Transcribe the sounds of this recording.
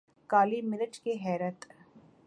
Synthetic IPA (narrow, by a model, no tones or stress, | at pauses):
kaːlimɪnəʈkeɦɛːɾət̪